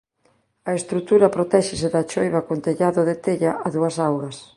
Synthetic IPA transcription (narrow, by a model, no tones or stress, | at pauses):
ɐest̪ɾut̪uɾɐpɾot̪ɛʃɪsɪðɐt͡ʃojβɐkont̪eʎaðʊðet̪eʎaʔaðuɐsawɣɐs